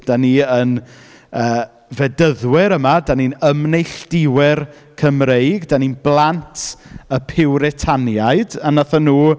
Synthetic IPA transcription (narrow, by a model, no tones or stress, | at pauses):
d̥aniən | əː | vɛdəðwɪɾəmadaninəmnejɬd̥ɪwɪr | kʰəmrejɡdaninblˠantʰəpʰɪwɾɛtʰanjaɨdanaθanuː